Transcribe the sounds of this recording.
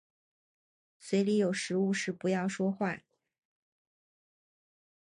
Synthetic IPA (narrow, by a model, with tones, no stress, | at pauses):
swe˧˥ɪli˧˥jo˨˩ʊʂɻ̩˧˥u˥˧ʂɻ̩˥˩pu˧˥jɑ˥˩ʊʂwɔ˥xwa˥˩